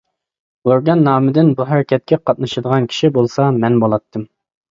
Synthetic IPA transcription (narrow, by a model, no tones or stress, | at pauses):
oɾɡɑnːɑːmɪd̪ɪnbuɦæɾɪkʲʰɛt̪̚kʲɛqʰɑt̪̚nɨʃɨd̪əʁɑnkʲʰi̥ʃibolˠsɑmɛnbolˠɑt̪ʰːɨm